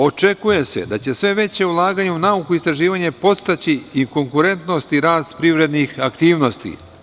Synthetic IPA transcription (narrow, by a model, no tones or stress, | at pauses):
o̞t͡ʃe̞kuje̞se̞̰d̪at͡ɕe̞sʋe̞ʋe̞t͡ɕe̞ulˠaːɡaːɲeunaukuist̪ɾaʒiːʋaɲe̞po̞t̪st̪at͡ɕiiŋko̞ŋkuɾe̞nt̪no̞st̪iɾaːst̪pɾiʋɾe̞d̪nixakt̪iːʋno̞st̪ḭ